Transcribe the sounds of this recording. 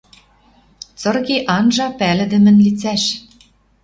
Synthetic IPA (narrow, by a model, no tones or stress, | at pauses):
t͡sɤ̆rɣeʔɑnʒɑpælɘ̆d̪ɘ̆mɘ̆nlit͡sæʃ